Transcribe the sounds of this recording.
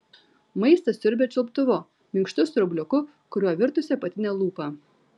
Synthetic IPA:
mɐɪst̪ɐsʲʊɾʲbʲɛt͡ʃʲʊlˠpt̪ʊʋʊ | mʲɪŋkʃt̪ʊsɾʊbʲlʲʊkʊ | kʊɾʲuɔʋʲɪɾt̪ʊsʲɛpɐt̪ʲɪnʲɛlˠuːpɐ

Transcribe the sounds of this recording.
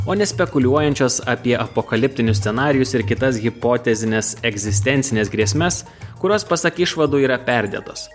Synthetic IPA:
oːnʲɛsʲpʲɛkʊlʲuɔjɛnʲt͡ʃʲoːsɐpʲiɛʔɐpokɐlʲɪp̚ʲt̪ʲɪnʲʊsʲsʲɛnɑːɾʲɪjʊsɪɾkʲɪt̪ɐsɣʲɪpoːt̪ʲɛzʲɪnʲɛsɛɡzʲɪsʲt̪ʲɛnʲt̪sʲɪnʲeːsɡɾʲiɛsʲmʲɛs | kʊɾʲoːspɐsɐkɪʃʋɐd̪uːiːɾɐpʲɛɾʲd̪ʲɛ̰t̪o̰ːs

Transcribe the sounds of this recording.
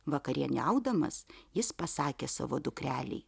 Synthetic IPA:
ʋɐkɐɾʲiɛnʲɛʊd̪ɐmɐ̰sjɪspɐsɑːkʲeːsɐ̰ːʋo̰ːd̪ʊkɾʲæːlʲɛ̰ɪ

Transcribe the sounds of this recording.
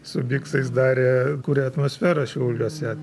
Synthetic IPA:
sʊbʲiːksɐɪs̬d̪ɑːɾʲeːkuːɾʲɛɐt̪moːsʲfʲæːɾɐʃʲɛʊlʲuɔsʲɛ

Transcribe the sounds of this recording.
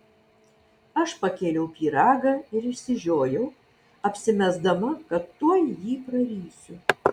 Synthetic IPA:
ɐʃpɐkʲeːlʲɛʊpʲiːɾɑːɡɑːɪɾɪʃʲsʲɪʒʲoːjɛʊ | ɐpʲsʲɪmʲɛzd̪ɐmɐkɐt̪ːuɔjjiːpɾɐɾʲiːsʲʊ

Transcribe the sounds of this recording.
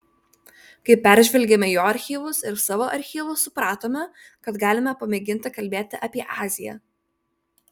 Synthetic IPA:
kɐɪpʲæˑɾʲʒʲʋʲɛlʲɡʲemʲɛjoːɐɾʲxʲiːʋʊsɪɾsɑːʋoːʔɐɾʲxʲiːʋʊsʊpɾɑːt̪oːmʲɛkɐt̪ɡɑːlʲɪmʲɛpɐmʲɛɡʲɪnʲt̪ʲɪkɐlʲbʲeːt̪ʲɪʔɐpʲiɛʔɑːzʲɪjɛ̰ː

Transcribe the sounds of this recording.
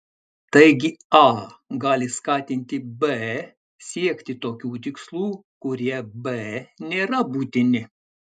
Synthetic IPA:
t̪ɐɪɡʲɪɑːɡɑːlʲɪskɑːt̪ʲɪnʲt̪ʲɪbɛ | sʲiɛkʲt̪ʲɪt̪oːkʲuːt̪ʲɪkslˠuːkʊɾʲiɛbɛnʲeːɾɐbuːt̪ʲɪnʲɪ

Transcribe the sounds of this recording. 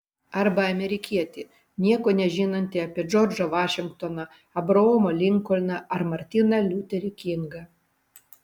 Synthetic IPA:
ɐɾbɐɐmʲɛɾʲɪkʲiɛt̪ʲɪ | nʲiɛkoːnʲɛʒʲiːnɐnʲt̪ʲɪɐpʲiɛd͡ʒɔːɾʲd͡ʒɐʋɑːʃʲɪŋk̚t̪onɐ | ɐbɾɐoːmolʲɪŋˑkɔlʲnɐɐɾmɐɾʲt̪ʲɪnɐlʲut̪ʲɛɾʲɪkʲɪŋɡɐ

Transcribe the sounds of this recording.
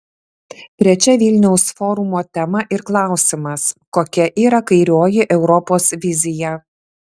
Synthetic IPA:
t̪ʲɾʲɛt͡ʃʲɛʋʲɪlʲnʲɛʊsfɔɾʊmoːt̪ʲɛmɐʔɪɾklˠɑˑʊsʲɪmɐskoːkʲɛʔiːɾɐkɐɪɾʲoːjɪʔɛʊɾɔpoːsʋʲɪzʲɪjɛ

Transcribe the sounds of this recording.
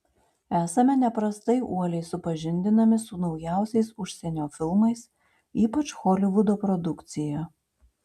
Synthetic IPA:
æːsɐmʲɛnʲɛpɾɐst̪ɐɪʔuɔlʲɛɪsʊpɐʒʲɪnʲd̪ʲɪnɐmʲɪsʊnɒʊjæˑʊsʲɛɪsʊʃʲsʲɛnʲoːfʲɪlˠmɐɪs | iːpɐt͡ʃxɔlʲɪʋʊd̪oːpɾɔd̪ʊkt̪sʲɪjɛ

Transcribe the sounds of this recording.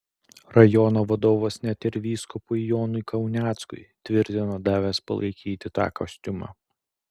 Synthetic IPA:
ɾɐjɔːnoːʋɐd̪oːʋɐsnʲɛt̪ʲɪɾʋʲiːskʊpʊjjoːnʊɪkɐʊnʲæːt̪skʊ̰ɪt̪ʲʋʲɪɾʲt̪ʲɪnoːd̪ɑːʋʲɛspɐ̰lˠʔɐ̰ɪkʲiːt̪ʲɪt̪ɑ̰ːkɐ̰sʲt̪ʲʊmɑ̰ː

